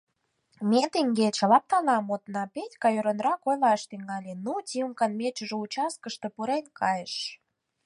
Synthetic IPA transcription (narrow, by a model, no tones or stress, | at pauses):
met̪eŋɡet͡ɕlɑp̚t̪ɑlɑmot̪nɑpetʲkɑjøɾonrɑkojlɑʃt̪yŋɑlʲenutʲiumkɑnmet͡ɕə̆ʒout͡ɕɑskə̆ʃt̪ĕpuɾenʲkʰɑjəʃ